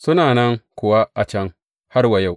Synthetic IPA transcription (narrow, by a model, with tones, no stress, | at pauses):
sʊ˦naː˨nɐ˦ŋkʷʊ˨wa˦ʔa˨t͡ʃɐ˦ŋ | ha˦rwɐ˨ja˦˨w